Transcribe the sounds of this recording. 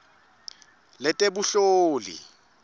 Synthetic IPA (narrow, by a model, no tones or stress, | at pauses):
lɛtʼebuɬoːlḭ